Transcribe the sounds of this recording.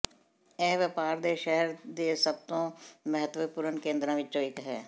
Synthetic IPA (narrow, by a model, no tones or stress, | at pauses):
ɛɦʋəpaːɾd̪eʃɛɦɛɾd̪esɐb̚t̪õmɛɦət̪wəpuːɾənkẽːnd̪ɾãʋɪt͡ʃːt͡ʃoːɪkɦɛː